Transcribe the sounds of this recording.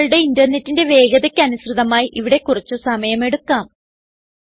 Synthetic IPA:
ɭuɽe̞indɐrne̞tːinde̞ʋe̞ːɡɐðɐkʲːɐnusrɨðɐmaːjiʔiʋiɽe̞kːurit͡ɕːusɐmɐjɐme̞ɽukːaːm

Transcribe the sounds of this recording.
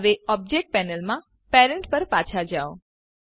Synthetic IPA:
ʋeɔb̚d͡ʒek̚ʈ̚pɛnəlmã | pɛɾəɳʈpəɾpat͡ʃʰad͡ʒao

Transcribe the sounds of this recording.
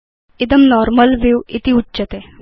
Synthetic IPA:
id̪əmnɔɾməlʋiwit̪iuːɕət̪e

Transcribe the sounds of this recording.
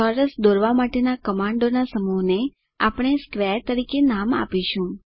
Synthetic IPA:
ɔɾəsd̪oɾʋamaʈenakəmãɳɖonasəmuɦne | apɽ̃eskʋeɾt̪əɾikenama̰piʃũ

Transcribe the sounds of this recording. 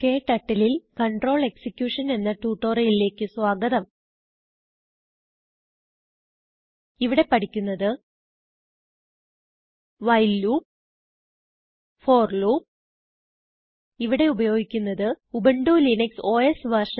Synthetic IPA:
ke̞ːʈːɐʈːililkɐɳɖro̞ːɭe̞ksikʲːjuʂɐne̞nːɐʈuːʈːo̞ːrɐjile̞ːkːɨswaːɡɐðɐm | iʋiɽe̞pɐʈikʲːunːɐðɨ | ʋɐjlːuː | fo̞ːrluː | iʋiɽe̞ubɐjo̞ːɡikʲːunːɐðɨ | ubeɳɖuːlinɐkso̞ːesʋɐrʂɐ

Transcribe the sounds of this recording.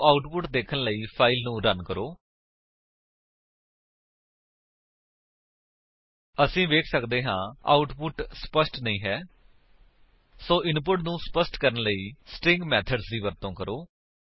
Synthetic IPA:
aːʊʈpʊʈd̪eːkʰənləiːpʰaːɪlnũːɾənkəɾoː | əsĩːʋeːkʰsəkd̪eːɦãːa̰ːʊʈpʊʈspəsʈnəĩːɦɛː | soːʔɪnp̬ʊʈnũːspəsʈkəɾənləiːsʈɪ̃ŋɡmɛːt̪ʰəɖsd̪iːʋəɾt̪õːkəɾoː

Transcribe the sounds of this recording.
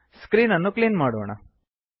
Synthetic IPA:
skɾiːnɐnːukliːnmaːɽoːɳa̰

